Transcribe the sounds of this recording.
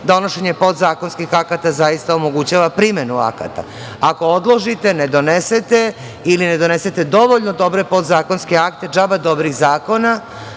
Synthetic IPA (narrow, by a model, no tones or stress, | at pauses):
d̪o̞noʃe̞ɲepo̞d̪zaːko̞nskixakat̪azajist̪aomo̞ɡut͡ɕaːʋapɾime̞nua̰ka̰t̪a̰ | ako̞od̪lˠo̞ʒit̪e̞ne̞d̪o̞neset̪e̞ | iline̞d̪o̞ne̞se̞t̪e̞d̪o̞ʋo̞ʎnod̪o̞bɾe̞po̞d̪zaːko̞nske̞akt̪ed͡ʒabad̪o̞bɾiɣzaːko̞na